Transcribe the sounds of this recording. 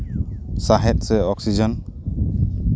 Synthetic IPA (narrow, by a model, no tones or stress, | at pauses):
saɦɛt̪̚sɛɔksid͡ʒɔn